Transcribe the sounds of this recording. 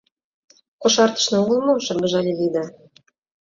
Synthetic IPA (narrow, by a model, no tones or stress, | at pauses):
kŏʃɑrt̪ə̥̆ʃnɤ̆uɣɤ̆lˠmoʃɤ̆ɡɤ̆ʒɑlʲelid̪ə̆